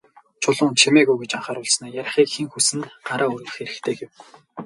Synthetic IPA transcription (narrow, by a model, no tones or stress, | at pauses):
t͡ɕʰʊɮʊːnt͡ɕʰemeːɣujɡet͡ɕaɴχaːɾʊɮsnaːjaɾ̆ʲχiːkxiŋxusɘ̆nɢaɾaːɵr̆ɣɘ̆xeɾɘ̆xt̪ʰeːɡew